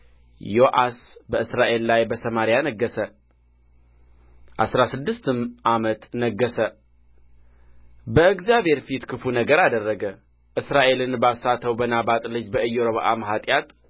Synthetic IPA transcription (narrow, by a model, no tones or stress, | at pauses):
joʔasbəɨsɾaʔe̞lːajbəsəmaɾijanəɡːəsə | ʔasɾasɨd̪ːɨst̪ɨmʔamət̪nəɡːəsə | bəɨɡzjabhe̞ɾfit̪kʰɨfunəɡəɾad̪ərːəɡə | ʔɨsɾaʔe̞lɨnbasat̪ʰəwbənabat̪ʼlɨd͡ʒbəɨjːoɾəβəʔamɦat̪ʼjat̪